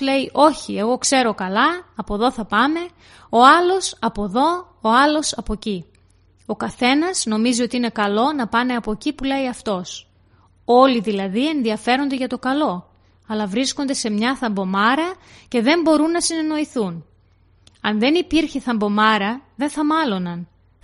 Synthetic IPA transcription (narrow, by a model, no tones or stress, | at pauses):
le̞iʔo̞çie̞ɣo̞kse̞ɾo̞kɐlɐːpo̞ðo̞θɐpɐme̞ | o̞ɐlo̞sɐpo̞ðo̞ː | ɐlo̞sɐpo̞ci | o̞kɐθe̞nɐz̥no̞mizio̞t̪iine̞kɐlo̞nɐpɐne̞ɐpocipule̞iɐft̪o̞s | o̞liðilɐðie̞nðiɐfe̞ɾo̞nd̪eʝɐt̪o̞kɐlo̞ | ɐlɐvɾisko̞nd̪e̞se̞mɲɐθɐmbo̞mɐɾɐce̞ðe̞mbo̞ɾunːɐsine̞no̞iθun | ɐnðe̞nipiɾçeθɐmbo̞mɐɾɐðe̞nθɐmɐlo̞nɐn